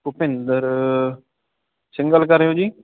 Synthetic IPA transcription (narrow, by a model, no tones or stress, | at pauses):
kʊpɪ̃nd̪əɾ | sɪ̃ŋɡəlkəɾeɦoːd͡ʒiː